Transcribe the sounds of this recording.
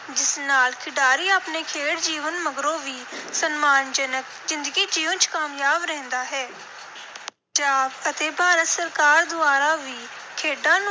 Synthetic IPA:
d͡ʒɪsnaːlkʰɪɖaːɾiːaːpneːkʰeːɽd͡ʒiːʋənməɡɾõːʋiːsənmaːnd͡ʒənək | zɪ̃nd̪əɡiːd͡ʒiːʋənt͡ʃkaːmjaːbɾɛ̃ːnd̪aːɦɛː | d͡ʒaːbət̪eːbʱaːɾət̪səɾkaːɾd̪ʊaːɾaːʋiː | kʰeːɖãːn

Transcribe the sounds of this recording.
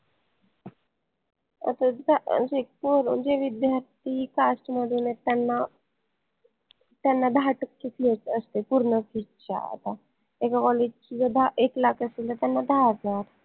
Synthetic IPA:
ə̰t̪ad͡za̰sek̚poɾṵnd͡ʑeʋid̪jaɾt̪ikasʈməd̪ʱunet̪anːa | t̪janːad̪aʈəkːefʰiet͡səst̪epuɾnəkiʈt͡ɕa̰ə̰t̪a | ekakɔled͡ʒt͡ɕiɡəd̪ʱaʔeklakəsilt̪at̪janːad̪ʱazaɾ

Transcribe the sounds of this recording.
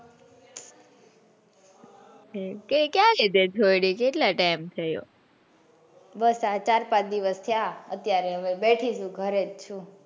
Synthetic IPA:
ekekjaɾit̪ed͡ʒʰʱojɽikeʈlaʈajmt̪ʰəjo̰ | bəsat͡ʃaɾpãt͡ʃd̪iʋəst̪ʰjaə̰t̪jaɾeɦəʋebeʈʰiʃũɡʱəɾed͡ʒt͡ʃʰũ

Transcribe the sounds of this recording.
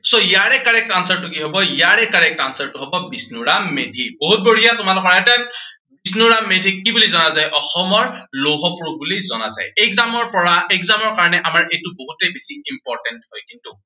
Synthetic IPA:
sojaɹɛkːaɹɛk̚tansɛɹtukiɦɔbɔjaɹɛkːaɹɛk̚tansɛɹtʊɦɔbɔbisnuɹamːedʱiboɦut̚boɹijatʊmalʊkɔɹɛta | bisnuɹamːedʱikibulizɔnazajʔɔxɔmɔɹloɦɔpɹuk̚bulizɔna̰za̰jɛkzamɔɹpɔɹaɛkzamɔɹkaɹɔnɛʔamaɹʔejtuboɦutɛbisiimpɔɹtɛnthɔjkintu

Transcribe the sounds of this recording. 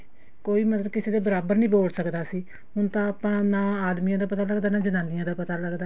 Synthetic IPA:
koːiːmət̪ləbkɪseːd̪aːbəɾaːbəɾnĩːboːlsəkd̪aːsiː | ɦʊnt̪ãːəpãːnãːaːd̪miːãːd̪aːpət̪aːləɡd̪aːnãːd͡ʒənãːnɪjãːd̪aːpət̪aːləɡd̪aː

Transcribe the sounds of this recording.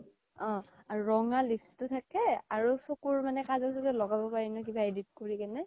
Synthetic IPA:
ɔ̃ | aɹuɹɔŋalipʰstʊtʰakɛaɹusokuɹmanɛkazasɛzɛlɔɡabɔpaɹinɔk̬ibaedit̚koɹikanɛ

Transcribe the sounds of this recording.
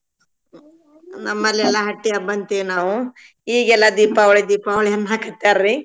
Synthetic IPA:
nɐmːɐlːiɛlːɐɦɐʈːiɐbɐnt̪iʋnaːʋu | iːɡɛlːɐd̪iːpaːʋɐɭid̪iːpaʋɐɭiɐnːɦaːkɐt̪ːaːɾɾi

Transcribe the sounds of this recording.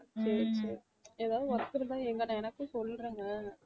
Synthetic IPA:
sɐɾsɐɾ | eːðaːʋðɯʋɐɾt̪ːɯɾɐt̪ãːɛŋɡɐnãɛnɐkːɯ̃sɔlːɾiːŋɡɐ

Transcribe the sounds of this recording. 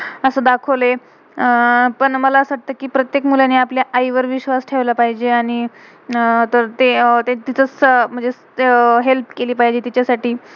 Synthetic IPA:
əsəːd̪akʰəle | pəɳməlasʋaʈ̚t̪əːkiːpɾət̪jekmuljaneapljaʔaiʋəɾʋiɕʋasʈʰeʋlapaɦid͡ʑeaɽ̃i | t̪əɾt̪et̪et̪it͡sət͡sm̤əɳd͡ze | ɦelpkeliːpaɦid͡ʑet̪it͡ɕjasaʈiː

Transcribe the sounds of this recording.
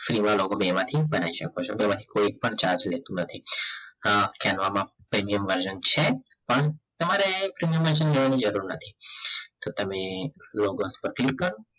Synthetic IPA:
fɾimãlokobemãt̪ʰibənaiʃəkot͡ʃʰobemãt̪ʰi̥koik̚pəɳt͡ʃaɾd͡ʒlet̪ũnət̪ʰi | kɛnʋamã | pɾimijəmʋəɾʃənt͡ʃʰe | pəɳt̪əmaɾepɾimijəmʋəɾʃ̬ənleʋanid͡ʒəɾuɾnət̪ʰit̪ot̪əmeloɡospəɾklikːəɾũ

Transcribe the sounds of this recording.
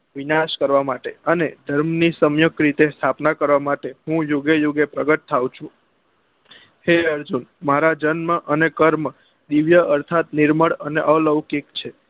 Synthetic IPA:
ʋinaʃkəɾʋamaʈeəned̪ʱəɾmnisəmjəkɾit̪est̪ʰapnakəɾʋamaʈeɦũjoɡejoɡepɾəɡət̪̚t̪ʰːaʋũt͡ʃʰũ | heəɾd͡ʒunmaɾad͡ʒənmãʔənekəɾm | d̪iʋjəəɾt̪ʰat̪̚niɾməɽəneʔələʋkikt͡ʃʰe

